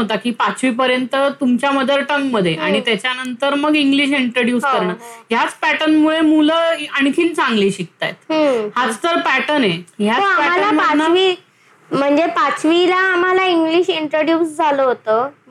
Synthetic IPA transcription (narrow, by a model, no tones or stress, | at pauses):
ot̪akiːpat͡sʋiːp̬əɾjənt̪ət̪umt͡ɕjaməd̪ʱəɾʈəŋɡməd̪ʱːjeʔaɽ̃it̪jat͡ɕjanənt̪əɾməɡiŋɡliɕ̬iɳʈɾəɖjuːskəɾɳaɦjat͡spæʈənmuɭemuləəɳkʰiːnt͡sãŋɡliːɕik̚t̪a̰jt̪ɦə̃hat͡st̪əɾpæʈəneɦjat͡soapæmaʈəlaməanaʋi | m̤əɳd͡zepat͡sʋilaːm̤alaiŋɡliɕiɳʈɾəɽjuːsd͡zʱaloɦot̪o